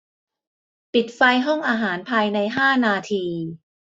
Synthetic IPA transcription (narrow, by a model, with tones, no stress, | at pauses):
pi˨˩t̪̚fa˧jɦɔ˥˩ŋʔaː˧ɦaː˩˦npʰaː˧jna˧jɦaː˥˩naː˧t̪ʰiː˧